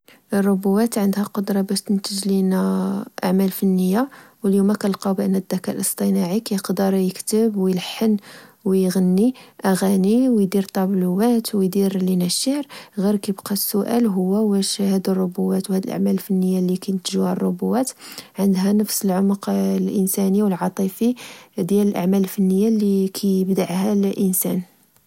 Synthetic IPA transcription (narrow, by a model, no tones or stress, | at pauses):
ʔrˤːobuwæt̪ʕənd̪hæqod̪ɾˤɑbæʃt̪ənt̪əʒlinæʔa̰ʕmælfənːəjːawəljumækælqɑbʔənːæd̪ːækælʔəsˤt̪ˤinɑʕikæjəqd̪əɾˤjəkt̪əbwjələħːənwjɣənːiʔæɣæniwjd̪iɾt̪ˤɑbluwæt̪wjd̪iɾlinæʃəɾɣiɾkæjəbqɑsːʊʔæ̰lɦʊwːæwæʃhæd̪ərˤːʊbuːæt̪whæd̪əlʔa̰ʕmæləlfənːəjːalikæjt̪ʒuhærˤːobuwæt̪ʕənd̪ɦænəfsəlʕomqlʔənsæniwəlʕɑt̪ˤifid̪jæləlʔaʕmællfənːəjːalikʰæjəbd̪aʕhælʔənsæ̰n